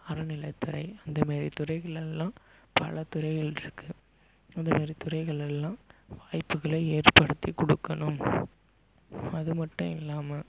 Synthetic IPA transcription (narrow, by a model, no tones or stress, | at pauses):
ɐɾɯnɪlɐɪt̪ʊɾɐɪɐnd̪ɐmaːɾit̪ʊɾɐɪɣɐɭɛlːãːpɐlɐt̪ʊɾɐɪɣɐɭɪɾɯkːɯ | ɐnd̪ɐmaːɾit̪ʊɾɐɪɣɐɭɛlːãːʋaːjpːɯɣɐɭɐeːrpɐɽɯt̪ːikɔɽɯkːɐɳɯm | ɐðɯmɐʈːʊ̃ɪlːaːmɐ